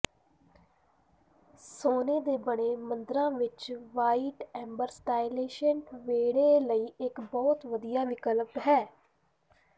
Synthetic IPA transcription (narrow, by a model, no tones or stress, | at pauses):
soːneːd̪eːbəɽeːmə̃nd̪ɾãːʋɪt͡ʃʋaːiːʈɛ̃ːmbəɾsʈaːɪleːʃənʋeːɽeːləiːɪkbɔːt̪ʋəd̪ijaːʋɪkəlpɦɛː